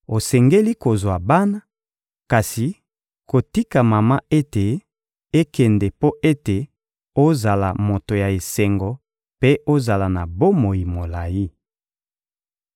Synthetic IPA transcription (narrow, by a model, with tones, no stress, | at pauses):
o˨sɛ˨ŋɡe˦li˦ko˨zwa˨ba˦na˦ | ka˨si˨ | ko˨ti˦ka˨ma˨ma˦e˦te˨ | e˦kɛ˨ndɛ˨po˦ʔe˦te˨ | o˦za˨la˨mo˨to˨ja˨e˨sɛ˨ŋɡɔ˨ | pe˦ʔo˦za˨la˨na˨bo˦mo˨ji˨mo˨la˨ji˦